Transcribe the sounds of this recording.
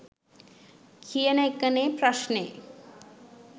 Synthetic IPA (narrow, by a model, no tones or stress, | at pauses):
kʰijənejkənepɾɐʃne